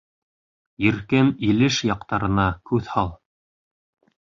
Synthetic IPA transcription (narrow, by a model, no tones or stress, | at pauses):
jɘ̆ɾkɘnilɘʃjɑqt̪ɑɾɤ̆nɑkʉθhɑlˠ